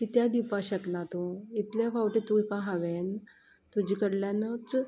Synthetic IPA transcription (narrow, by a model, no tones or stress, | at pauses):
kit̪jad̪ipaɕəknat̪õit̪ljafawʈet̪ujkãɦaʋen | t̪ud͡ʑikəɽljãnət͡s